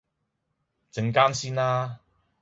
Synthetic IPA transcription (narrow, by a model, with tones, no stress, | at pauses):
t͡sɪ˨˥ŋkaː˥nsiː˥nlaː˥